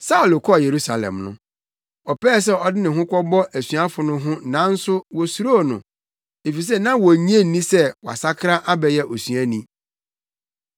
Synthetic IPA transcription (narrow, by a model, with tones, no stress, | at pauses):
sa˦u˨lo˨kʰɔ˦˨je˨ɾu˦sa˨lɛ̰̃˨mnʊ̰̃˦ | ɔ˨pɛː˦˨s̬ɛ˦ɔ˨dɪ˦nɪ̃˨ɦʊ̃˦kʷɔ˦bɔ˦ʔæ˨sɥa˦fʊ˨nʊ̃˦ɦʊ̃˦nã˨˦n̩˦sʊ˦wɔ˨su˨ɾo˦˨nʊ̰̃˨ | e˨fi˨s̬ɛ˦nã˦wɔ˨ɲ˦ẽ˦n̩˨nĩ˦sɛ˦wɔ˨a̰˨sa˦kʰɾã˦ʔa˦bɛ˨jɛ˦ʔɔ˨sɥæ̃˦nĩ˦